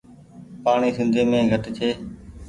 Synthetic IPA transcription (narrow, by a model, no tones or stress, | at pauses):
paːɳiːsɪ̃nd̪ʱeːmẽːɡʱət̪t͡ʃʰeː